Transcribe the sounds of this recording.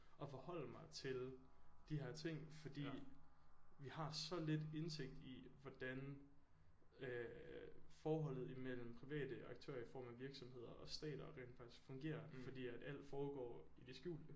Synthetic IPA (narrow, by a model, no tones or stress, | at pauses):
ʔɒ̽fɒhɒ̽l̰əmɑ̈ɪt͡sʰe̝l | d̥ihæɐ̰t͡sʰe̝ŋ̰fɒ̽d̥ḭː | ʋihɑ̈sɒ̽led̥e̝nse̝ɡ̥̚d̥iʋɒd̥æn | ø | fɒːɦɒ̽l̰ð̞̩ˠimel̰m̩pʰʁiʋɛ̰ːd̥əɑ̈ɡ̥̚t͡sʰø̰ːɐifɒ̰ːmæʋiɐɡ̥sɒ̽mhe̝ð̞̰ˠɐʔɒ̽sd̥ɛ̰ːɾ̥ɐɒʁɛ̰̃ːnd̥fɑ̥̈sfɔ̽ŋɡ̥e̝̰ːɐfɒ̽d̥ḭːæd̥æl̰d̥fɒːɡ̥ɒ̰ːid̥esɡ̥jṵːld̥ə